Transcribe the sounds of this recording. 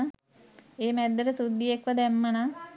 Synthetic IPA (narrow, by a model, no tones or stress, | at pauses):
eːmæd̪ːəɾəsud̪ːiekʋəd̪æmːəna